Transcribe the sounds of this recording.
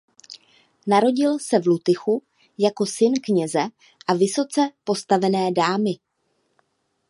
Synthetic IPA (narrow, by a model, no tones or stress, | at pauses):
naɾo̞ɟɪlsɛvlut̪ɪxu | jako̞sɪnkɲɛzɛ | ʔavɪsot͡sɛpo̞st̪avɛnɛːdaːmɪ